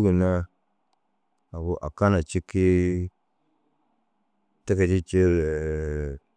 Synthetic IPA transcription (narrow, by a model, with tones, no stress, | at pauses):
ɡu˨na˦ | a˨bu˨ʔa̰˨ka˦na˨t͡ʃi˦kːi˦ | te˦ka˨t͡ʃi˦t͡ʃi˦ɾ